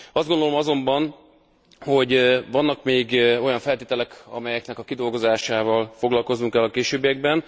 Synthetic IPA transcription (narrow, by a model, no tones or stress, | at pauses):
ɒzd̪ɡo̞nd̪olo̞mɒzo̞mbɒn | ho̞ɟvɒnːɒkmeːɡo̞jɒɱfɛlt̪eːt̪ɛlɛkɒ̰mɛjɛknɛkɒkid̪o̞lɡo̞zaːʃaːvɒlfo̞ɡlɒlko̞znuŋkɛlːɒkeːʃøːbijɛɡ̚bɛn